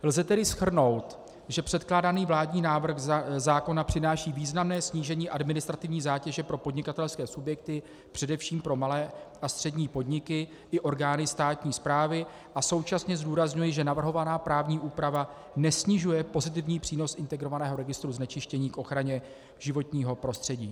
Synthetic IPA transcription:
lzɛt̪ɛdɪsxr̩no̞wt̪ | ʒɛpr̥ɛt̪klaːdaniːvlaːdɲiːnaːvr̩xzaːko̞napr̝̥ɪnaːʃiːviːznamnɛːsɲiːʒɛɲiːʔadmɪnɪst̪ɾat̪ɪvɲiːzaːcɛʒɛpɾo̞po̞dɲɪkat̪ɛlskɛːsubjɛk̚t̪ɪ | pr̝̥ɛdɛfʃiːmpɾo̞malɛːʔast̪r̥ɛdɲiːpo̞dɲɪkɪ | ɪʔo̞ɾɡaːnɪst̪aːt̪ɲiːspɾaːvɪ | ʔaso̞wt͡ʃasɲɛzduːɾazɲujɛʒɛnavr̩ɦo̞vanaːpɾaːvɲiːʔuːpɾava | nɛsɲɪʒujɛpo̞zɪt̪̬ɪvɲiːpr̥iːno̞sʔɪnt̪ɛɡɾo̞vanɛːɦo̞ɾɛɡɪst̪ɾuznɛt͡ʃɪʃcɛɲiːkʔo̞xɾaɲɛ | ʒɪvo̞t̪ɲiːɦo̞pɾo̞st̪r̥ɛɟiː

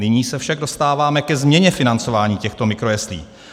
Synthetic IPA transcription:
ɪɲiːsɛfʃaɡ̚do̞st̪aːvaːmɛkɛzmɲɛɲɛfɪnant͡so̞vaːɲiːcɛxt̪o̞mɪkɾo̞jɛslḭː

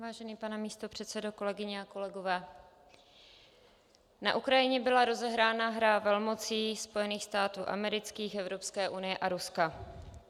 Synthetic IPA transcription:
vaːʒɛniːpanɛmiːst̪o̞pr̥ɛt̪sɛdoko̞lɛɡɪɲɛako̞lɛɡo̞vɛː | na̰ʔukɾajɪɲɛbɪlaɾo̞zɛɦɾaːnaɦɾavɛlmo̞t͡siːspo̞jɛniːxst̪aːt̪uːʔa̰mɛɾɪt͡skiːxɛvɾo̞pskɛːʔunɪjɛʔaɾuska

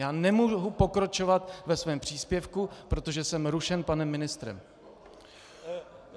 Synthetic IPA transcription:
jaːnɛmuɦupo̞kɾat͡ʃovat̪vɛsvɛːmpr̝̥iːspjɛfkupɾo̞t̪o̞ʒɛsɛmɾuʃɛnpanɛmːɪnɪst̪ɾɛ̰m

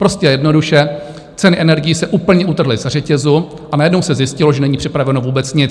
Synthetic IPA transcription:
pɾo̞scɛjɛjɛdno̞duʃɛ | t͡sɛnɪʔɛnɛɾɡɪjisɛʔuːpl̩ɲɛʔut̪r̩ɦlɪz̥ar̝ɛcɛzu | ʔanajɛdnowsɛzjɪscɪlo̞ʒɛnɛɲiːpr̝̥ɪpɾavɛno̞vuːbɛt͡sɲɪt͡s

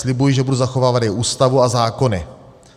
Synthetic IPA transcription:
slɪbujiʒɛbuduzaxovaːvad̪jɛʔuːst̪avuazaːko̞nɪ

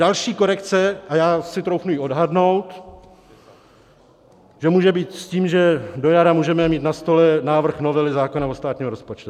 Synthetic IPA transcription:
alʃiːko̞ɾɛkt͡sɛʔajaːsɪt̪ɾowxnujiːʔo̞dɦadno̞wt̪ | ʒ̥ɛmuːʒɛbiːt̪sciːmʒɛdo̞jaɾamuːʒɛmɛmiːt̪nast̪o̞lɛnaːvr̩xno̞vɛlɪzaːko̞naost̪aːt̪ɲiːmɾo̞spot͡ʃt̪u

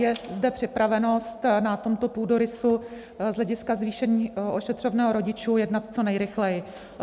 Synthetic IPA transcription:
jɛzdɛpr̝̥ɪpɾavɛno̞st̪nat̪o̞mt̪o̞puːdoɾɪsu | zlɛɟɪskazviːʃɛɲiːoʃɛt̪r̝̥ovnɛːɦoɾo̞ɟɪt͡ʃuːjɛdnat̪t͡so̞nɛjɾɪxlɛjɪ

